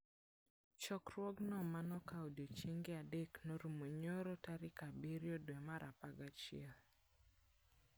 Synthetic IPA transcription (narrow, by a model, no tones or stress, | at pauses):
t͡ʃɔkɾwɔɡnɔmanɔkawdjot͡ʃiŋɡeadeknoɾumoɲoɾɔtaɾɪkabiɾjɔdwɛmaɾʔapaɡat͡ʃɪɛl